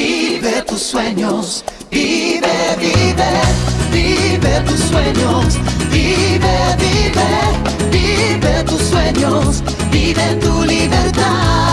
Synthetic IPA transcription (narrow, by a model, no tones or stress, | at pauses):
iβet̪usweɲos | viβeviveviβet̪usweɲosviβeviβe | vi | βet̪usweɲos | viβet̪uliβeɾt̪a